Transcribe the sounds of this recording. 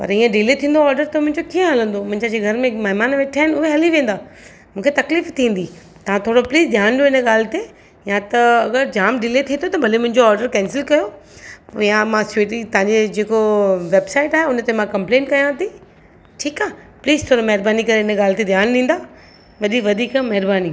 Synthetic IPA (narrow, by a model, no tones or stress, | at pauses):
pɐ̰ɾĩːẽɖɪleːt̪ʰĩːn̆d̪oɔːɾɖəɾt̪omʊ̃ɦɪ̃ɲd͡ʑokiːə̃ɦɐlə̃nd̪omʊ̃ɦɪ̃ɲd͡ʑãd͡ʑeːɡʱɐɾmẽmɐɦɪmaːnʋeːʈʰaːɦɪnʊɦeɦɐliʋẽːn̆d̪aː | mũːkʰet̪ɐkliːft̪ʰĩːn̆d̪i | t̪ɐʋ̤ãt̪ʰoːɽopliːzd̪ʱjaːñdjoɪnəɠaːlɪt̪e | jãt̪ɐɐɡəɾd͡ʑaːmɖɪleːt̪ʰĩːt̪ʰot̪ɐbʱɐlemʊ̃ɦɪ̃ɲd͡ʑoɔːɾɖəɾkɛ̃ːnsɪlkɐjo | jãmãseːʈ̬it̪ɐãɲd͡ʑed͡ʑeːkoʋeːbsaːɪʈaːɦeʊnət̪emãkɐ̃mplẽːɳʈkɐjãt̪ʰi | ʈʰiːkaː | pliːzt̪ʰoːɽomɐɦɪɾbaːnikɐɾeɪnəɠaːlt̪ed̪ʱjaːnɗĩːn̆d̪aː | ʋɐd̪ʱikʋɐd̪ʱiːkmɐɦɪɾbaːni